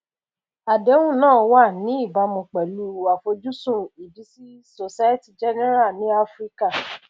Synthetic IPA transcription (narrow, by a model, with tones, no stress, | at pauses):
a˨dɛ˨˦wũ˦˨nãː˦˨wa˦˨nĩ˨˦i˦˨ba˨˧mũ˧˨k͡pɛ˨lu˨˦wa˨fo˧d͡ʒu˦sũ˦˨i˨bi˨˦si˦ | so˧sa˦je˦ti˦˨d͡ʒɛ˦nɛ˦ɾa˦˨nĩ˨˦a˦fɾi˦ka˦˨